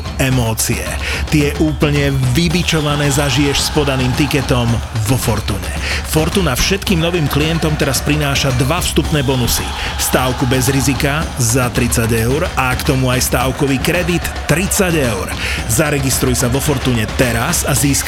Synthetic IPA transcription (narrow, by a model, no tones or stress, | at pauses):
ɛmɔːt͡siɛ̰ | t̪ijɛʔuːpl̩ɲɛʋibit͡ʃɔʋanɛːzaʒijɛʃspɔd̪aniːmt̪ikɛt̪ɔmʋɔfɔɾt̪uːɲɛ̰ | fɔɾt̪uːnafʃɛt̪kiːmnɔʋiːmkliɛnt̪ɔmt̪ɛɾaspɾinaːʃad̪ʋafst̪upnɛːbɔnusist̪aːʊkubɛzɾizikazat̪ɾit͡saɟɛʊɾakt̪ɔmuajst̪aːʊkɔʋiːkɾɛd̪it̪ːɾit͡saɟɛʊɾzaɾɛɡist̪ɾujɛsaʋɔfɔɾt̪uːɲɛt̪ɛɾasaziːsk